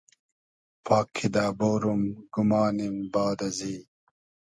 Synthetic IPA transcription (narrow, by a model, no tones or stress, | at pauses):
pʰɑːkʰːid̪aːbowɾumɡumɑːnimbɑːd̪ɐziː